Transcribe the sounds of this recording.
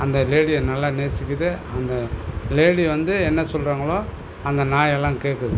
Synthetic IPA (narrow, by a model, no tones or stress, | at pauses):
ɐnd̪ɐleːɽiɐnɐlːaːneːsɪkʲːɯðɯɐnd̪ɐleːɽiʋɐnd̪ɯɛnːɐsɔlraːŋɡɐɭoː | ɐnd̪ɐnaːjɛlːãːkeːkːɯðɯ